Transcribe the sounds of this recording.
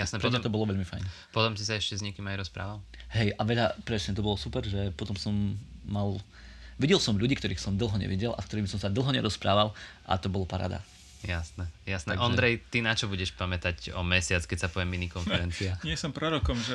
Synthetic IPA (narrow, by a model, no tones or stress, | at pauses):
jasnɛpɾɔmɛt̪ɔbɔlɔʋɛʎmifa̰jn | pɔt̪ɔmsisaɛʃcɛzɲɛkiːmajɾɔspɾa̰ːʋalɦɛjʔaʋɛʎapɾɛsɲɛt̪ɔbɔlɔsupɛɾʒɛpɔt̪ɔmsɔmːal | ʋiɟɛlsɔmʎuɟiːkt̪ɔɾiːxsɔmd̪l̩ˠɦɔɲɛ̰ʋḭɟɛla̰fkt̪ɔɾiːmsɔmsad̪l̩ˠɦɔɲɛɾɔspɾa̰ːʋalʔa̰t̪ɔbɔlɔpaɾa̰ːd̪a̰ | jasnɛjasnɛʔɔnd̪ɾɛjt̪inat͡ʃɔbuɟɛʃpamɛt̪acɔmɛsɪat͡skɛcsapɔʋjɛmːinikɔnfɛɾɛnt͡siaɲɪɛsɔmpɾɔɾɔkɔmʒɛ